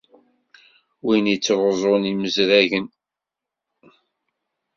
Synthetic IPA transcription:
winit͡sːvəzˤoniməzɾæʝən

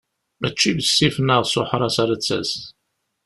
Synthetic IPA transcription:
mæt͡ʃːivəsːifnəʁsʊħɾˤɑsaɾæt͡sːæ̰s

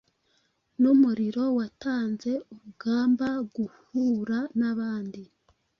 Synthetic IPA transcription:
numuɾiɾo̞wataːnze̞uɾuɡaːmbaɡuhuɾanaβaːndi

